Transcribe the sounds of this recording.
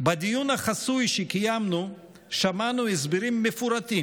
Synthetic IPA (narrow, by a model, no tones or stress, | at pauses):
bad̪ijunaχasujʃekijamnu | ʃamanuhɛs̬biɾimːefuɾat̪i